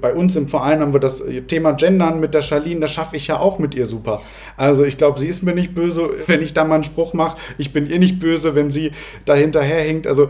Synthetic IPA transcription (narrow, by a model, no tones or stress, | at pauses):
b̥aɪʔʊnsɪmfɐʔaɪnham̩viːɐdastʰeːmad͡ʒɛndɐnmɪt̚d̥eːɐʃaɐliːndasʃafəɪçjaːʔaʊxmɪtʔiːɐzuːpɐ | ʔalzoɪçɡ̥laʊbəziːɪstmiːɐnɪçt̚b̥øːzəvɛnɪçd̥aːmaːlən̩ʃpʁ̥ʊχmaχəʔɪçb̥ɪnʔiːɐnɪçt̚b̥øːzəvɛnziː | d̥aːhɪntɐɦeːɐhɪŋtʔa̰lzo